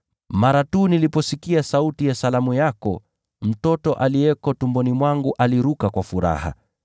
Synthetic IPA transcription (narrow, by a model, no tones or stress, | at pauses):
maɾatuːnilipɔsikiasautijasalamujakɔ | m̩tɔtɔʔaliɛkɔtumbɔnimwaŋɡuʔaliɾukakwafuɾa̰ha̰